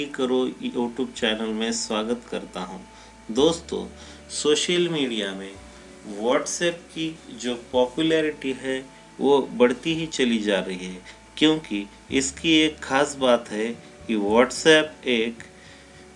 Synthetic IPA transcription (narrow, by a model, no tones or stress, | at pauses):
ikɐɾojuːʈjuːb̚t͡ʃɛːnəlmẽswaːɡət̪kɐɾt̪aɦṵ̃ː | d̪oːst̪õ̰ː | soːʃəlmiːɖijamẽ | ʋɔːʈsɛːp̚kid͡ʒoːpɔːpjulɛːɾɪʈiɦɛ | ʋʔobɐɽ̤t̪iɦit͡ʃɐlid͡ʒaːɾɐɦiɦɛː | kjõːki | ɪskieːkxaːsbaːt̪ɦɛ | kiʋɔːʈsɛːpeːk